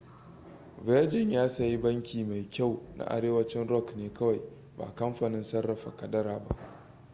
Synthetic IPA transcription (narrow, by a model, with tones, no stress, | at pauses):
vɛː˦d͡ʒɪ˨ɲjaː˦sa˨ji˦bɐ˦ŋkʲʰiː˨ma˨jkʲa˦˨wnʔa̰˦ʔa̰˨ɾeː˦wɐ˦t͡ʃɪ˦nɾɔ˦˨kneː˨kɐ˦wa˨j | ba̰ː˨kɐ˦mɸaː˨nɪ˦nsɐ˦rːɐ˨ɸa̰˨kɐ˨dɐ˦ɾaː˨ba̰˦ʔ